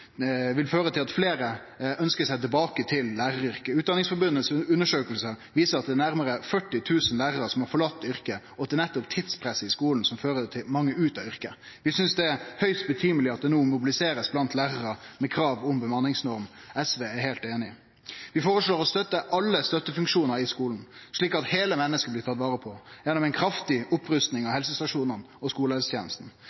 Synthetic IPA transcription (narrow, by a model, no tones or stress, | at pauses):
ʋɪlføːɾət̪ʰɪlɑt̪fleːɾə | œnskəsæɪt̪̬ɪlbɑːkət̪ʰɪlːæːʁəɾʏɾkəʉːt̪̚d̪ɑnɪŋsfɔɾbʉnəsʉnːəʂøːkəlsəʋiːsəɾɑt̪̚d̪ɛnæɾməɾəfœʈːɪt̪ʰʉːsənlæːʁəɾəsɔmhɑɾfɔɭɑt̪ːʏɾkə | ɔd̪ɛnɛt̪ːʊpt̪ʰɪd̪spʰɾɛsːəɪskuːln̩sɔmføːɾət̪ʰɪmɑŋːəʉːt̪ɑʏɾkə | ʋɪsʏnsd̪ɛæhœʏst̪̚bət̪ʰyːməlɪɑt̪̚d̪ɛnuːmʊbɪlɪseːɾəsblɑnt̪læːʁəɾəmɛkʰɾɑːʋɔmbəmɑnːɪŋsnɔɾmɛsʋeːæɾheːlt̪eːnɪ | ʋɪfoːɾəʂɭoːɾɔst̪œt̪ːəʔɑlːəst̪œt̪ːəfʉŋkʂuːnəɾɪskuːln̩ʂɭiːkɑt̪heːləmɛnːəskəblɪt̪ʰɑt̪ːʋɑːɾəpʰɔjɛnːʊmɛɪnkʰɾɑft̪ɪʔʊpʰɾʉst̪nɪŋɑʋhɛlsəst̪ɑʂuːnən | ɔskuːləɛlst̪ʰjḛːnəst̪n̩